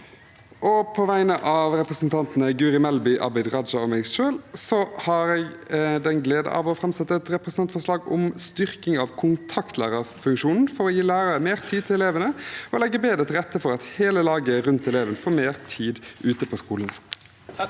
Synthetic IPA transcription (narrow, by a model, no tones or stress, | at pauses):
ʔɔpʰɔʋæɪnəʔɑʋʁɛpʁəsnt̪ʰɑnt̪n̩əɡʉːʁɪmɛlbʏʔɑ̰bæd̪ʁɑd̪d͡ʒɑɔmæɪɡʃøːlsɔhɑɾɛːɡd̪ɛnɡleːd̪ə̰ʔɑ̰ʋɔfʁɑmsɛt̪ːəɛt̪ɾɛpɾsnɑnt̪fɔʂlɑːɡʊ̰mst̪ʏʁkɪŋɑʋkʰʊnt̪ʰɑkt̪ʰlæ̰ːʁəfʉŋkʃuːnn̩fɔɾɔjiːlæːɾəəmeːʁt̪ʰiːd̪̚t̪ʰɪlɛleːʋənəɔlɛɡːəbeːd̪ət̪ʰɪʁɛt̪ːəfɔɾɑt̪heːləlɑːɡəæɾʉnt̪ɛleːʋənəfoːmeːʁt̪ʰiːd̪ʉːt̪əpʰɔskuːlən